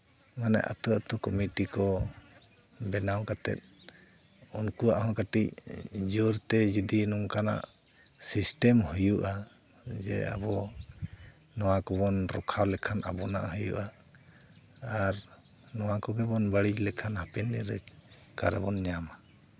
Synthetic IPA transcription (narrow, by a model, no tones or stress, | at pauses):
manɛ̰ʔa̰t̪uat̪ɔkɔmiʈikɔ | bɛnawkat̪ɛ̰t̪̚ | unkuaʔhɔ̃kaʈic̚d͡ʒuɾt̪ɛd͡ʒid̪inuŋkana̰ʔ | sisʈɛmhujuʔa | d͡ʒɛ̰a̰bɔ | nɔwakɔbɔnɾɔkʰawlɛkʰanʔa̰bɔna̰ʔhɔjṵʔa | ɾ | nɔwakɔɡɛbɔnbaɽid͡ʒlɛkʰanhapɛndɛɾɛt͡ʃ | ka̰ɾɛ̰bɔnɲama